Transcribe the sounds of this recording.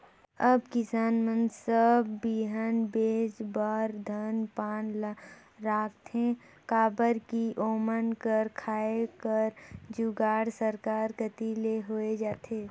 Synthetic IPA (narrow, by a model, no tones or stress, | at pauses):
əbkɪsaːnmənsəbːiːɦənbeːd͡ʒbaːɾd̪ʱənpaːnl | ɾaːk̚t̪ʰẽ | kaːbəɾkiʔoːmənkəɾkʰaːekəɾd͡ʒuɡaːɽsəɾkaːɾkət̪ileɦoːed͡ʒaːt̪ʰeː